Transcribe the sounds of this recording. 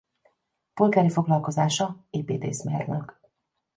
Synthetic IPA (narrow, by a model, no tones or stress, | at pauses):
po̞lɡaːɾifo̞ɡlɒlko̞zaːʃɒeːpeːt̪ḛːsmeːrnøk